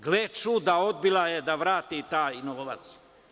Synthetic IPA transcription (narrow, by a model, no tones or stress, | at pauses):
ɡlet͡ʃud̪ao̞d̪̚bilajed̪aʋɾaːt̪it̪aːjinoʋoʋat̪s